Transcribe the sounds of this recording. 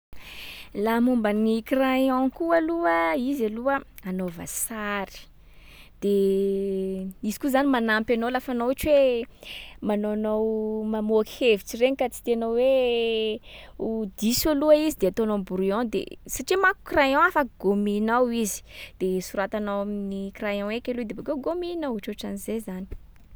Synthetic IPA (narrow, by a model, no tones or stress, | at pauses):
lamumbanikrajɔ̃kualuəizaluəanova̰saɾi̥ | d̪̥e | izi̥kuzanimanampʲanolafanoaʈ͡ʂwe | manonowmamoaki̥hevit͡sireɲikat͡si̥t̪eanowwe | ud̪isoluaizid̪eat̪onõbuɾiõd̪ḛsaʈ͡ʂimaku̥krajɔ̃afaɡ̥ominawizi̥d̪̥esuɾat̪anawaminikrajɔ̃ekʲelud̪ebakewɡominawaʈ͡ʂoʈ͡ʂanizezani̥